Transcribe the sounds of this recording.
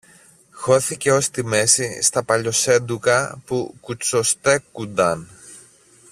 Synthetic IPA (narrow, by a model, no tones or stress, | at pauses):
xo̞θice̞o̞st̪ime̞sist̪ɐpɐʎo̞se̞nd̪ukɐpukut͡sost̪e̞kund̪ɐn